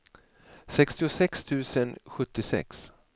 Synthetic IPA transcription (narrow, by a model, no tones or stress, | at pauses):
sɛkst̪ɪʊsɛkst̪ʰʉ̟ːsənɧɵt̪ːɪsɛ̰ks